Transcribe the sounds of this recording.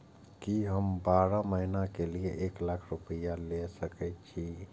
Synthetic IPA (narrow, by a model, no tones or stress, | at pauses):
kiɦəmbaɾaməɦinakelieʔeklakʰɾupəjalesəkɛt̪̚t͡ʃʰi